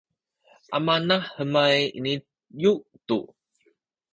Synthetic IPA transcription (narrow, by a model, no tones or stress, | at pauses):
ʔamanahəmajḭni | juʔt̪ṵ